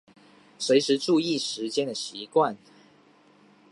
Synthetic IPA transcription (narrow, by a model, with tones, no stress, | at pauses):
swe˧˥ɪʂɻ̩˧˥ʈ͡ʂu˥˧i˥˩ʂɻ̩˧˥t͡ɕjɛ˥nd̪ə˨ɕi˧˥˦kwa˥˩n